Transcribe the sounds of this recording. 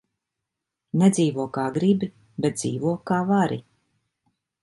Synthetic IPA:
nɛd̪ziːvuɔkaːɡɾibi | bɛt̪d̪ziːvuɔkaːvaɾḭ

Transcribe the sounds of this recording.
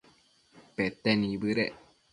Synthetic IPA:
pet̪ːenĩbɨɾe

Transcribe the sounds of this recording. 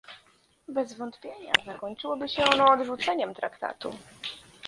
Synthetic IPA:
bɛzvɔnt̪pʲjeɲa̰zakɔɲt͡ʂɘwɔbɘɕɛɔnɔːd̪ʐut̪sɛɲɛmt̪ɾakt̪a̰t̪ṵ

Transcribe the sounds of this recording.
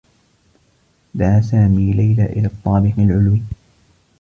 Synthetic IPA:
d̪aʕaːsaːmiːlajlaːʔɪ̰laːt̪ˤːɑːbɪqalʕʊlwiː

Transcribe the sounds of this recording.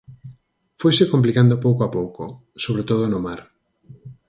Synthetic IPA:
fojsɪkomp̬likand̪opowkoapowko | soβɾet̪oð̞onomaɾ

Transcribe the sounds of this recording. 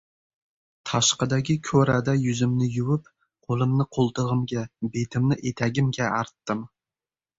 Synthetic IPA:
t̪ʰɑʃqəd̪ɛkʲikʲʰøɾæd̪ɛjyzymnɪjywup | qʰolˠɨmnɨqʰolˠt̪əʁəmɡʲɛbet̪ʰɪmnɪʔet̪ʰɛɡʲimɡʲɛɑɾt̪ːɨm

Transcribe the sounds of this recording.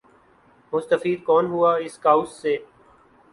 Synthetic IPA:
mʊst̪əfiːd̪̚kɔːnɦuaːɪskaːʊsːeː

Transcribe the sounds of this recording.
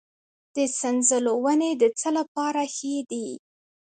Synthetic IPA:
d̪̥əsanzəlowəned̪ət͡səlapɑɾaxed̪i

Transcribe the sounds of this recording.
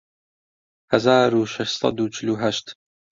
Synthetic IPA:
hæzaːɾuʃaʃsˤɑ̰d̪ut͡ʃʰɪluɦæʃt̪

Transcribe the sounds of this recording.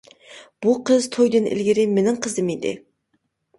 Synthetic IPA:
b̥uqʰəzt̪ʰojd̪ɨnʔɪ̰lɡʲɪɾɪmenɪŋqʰəzɨmid̪ɪ̰

